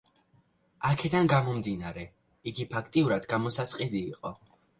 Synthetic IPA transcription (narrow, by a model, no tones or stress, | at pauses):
akʰɛd̪anɡamɔmd̪inaɾɛ | iɡipʰakʰt̪ʼiuɾad̪ɡamɔsasqʼid̪iːqʼɔ